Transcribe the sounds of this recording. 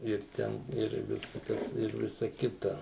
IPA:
ɪr ˈtʲɛn ɪr ʋʲɪsɐˈkɐs ɪr ˈʋʲɪsɐ ˈkʲɪtɐ

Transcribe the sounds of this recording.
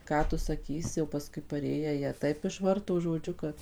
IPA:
ˈkɑː tʊ sɐˈkʲiːsʲɪ jɛʊ pɐˈskʊɪ pɐˈrʲeːjæː ˈjiɛ ˈtɐɪp ɪʃʋɐrtoː ʒoːˈd͡ʒʲʊ kɐt

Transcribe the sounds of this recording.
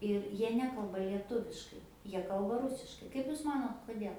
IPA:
ɪr ˈjiɛ ˈnʲæːkɐlˠbɐ lʲiɛˈtʊʋʲɪʃkɐɪ ˈjiɛ ˈkɐlˠbɐ ˈrʊsʲɪʃkɐɪ ˈkɐɪp juːs ˈmɑːnoːt koːˈdʲeːlˠ

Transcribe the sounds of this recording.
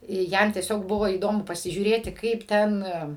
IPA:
ˈjɛm tʲiɛˈsʲoːk ˈbʊʋoː iːˈdoːmʊ pɐsʲɪʒʲuːˈrʲeːtʲɪ ˈkɐɪp ˈtʲɛn

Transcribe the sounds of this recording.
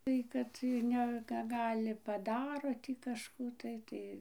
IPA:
ˈtɐɪ kɐt ɪr ˈnʲɛ kɐ ˈɡɑːlʲɪ pɐˈdɑːroː tʲiː kɐʃˈkuː tɐɪ ˈtɐɪ

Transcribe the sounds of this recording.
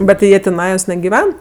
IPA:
ˈbʲɛt tʲɪ jiɛ tʲɪˈnɑːjoːs nʲɛɡʲɪˈʋʲɛn

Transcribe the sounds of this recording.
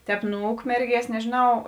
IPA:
ˈtʲɛːp nʊ ˈʊkmʲɛrʲˌɡʲiɛs nʲɛʒʲeːˈnɐʊ

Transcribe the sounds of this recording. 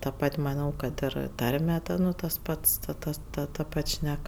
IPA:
tɐ ˈpɐtʲ mɐˈnɐʊ kɐt ˈɪr ˈtɐrʲmʲɛ ˈtɐ nʊ tɐs ˈpɐts tɐ ˈtɐs ˈtɐ tɐ ˈpɐtʲ ˈʃʲnʲɛk

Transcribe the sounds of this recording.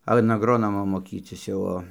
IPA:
ɐn ɐɡˈroːnoːmoː moːˈkʲiːt͡sʲɪs jɛʊ ˈoː

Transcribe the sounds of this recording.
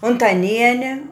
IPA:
ʊntɐˈnʲiɛnʲɛ

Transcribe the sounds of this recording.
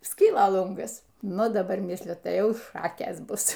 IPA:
ˈsʲkʲiːlˠɐ ˈlˠʊŋɡɐs ˈnʊ dɐˈbɐr ˈmʲɪsʲlʲʊ ˈtɐɪ ˈjɛʊˈʃɑːkʲeːs ˈbʊs

